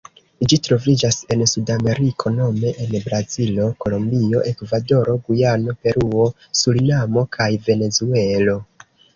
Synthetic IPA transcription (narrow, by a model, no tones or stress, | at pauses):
d͡ʒitɾo̞vid͡ʒase̞nsudame̞ɾikʰo̞no̞me̞ʔenbɾazilo̞ko̞lo̞mbio̞ʔe̞kvado̞ɾo̞ɡujano̞pe̞ɾuo | sulinamo̞kʰajve̞ne̞zue̞lo̞